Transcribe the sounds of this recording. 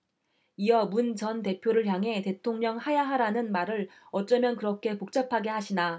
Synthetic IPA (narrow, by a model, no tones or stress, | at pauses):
ijʌmunt͡ɕʌnte̞pʰjoɾɯɭçjaŋɦe̞te̞tʰoŋɲʌŋhajaɦaɾanɯnmaɾɯɭ | ʌt͡ɕ͈ʌmjʌnkɯɾʌkʰe̞pok̚t͡ɕ͈apʰaɡe̞ɦaɕʰina